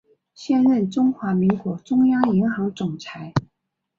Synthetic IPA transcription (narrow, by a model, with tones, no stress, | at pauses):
ɕjɛ˥˧nɻə˥˩nʈ͡ʂʊ˥ŋxwa˧˥mi˧˥ŋkwɔ˧˥ʈ͡ʂʊ˥ŋjɑ˥ŋi˧˥ŋxɑ˧˥ŋʈ͡ʂʊ˨˩ŋt͡sʰa˧˥ɪ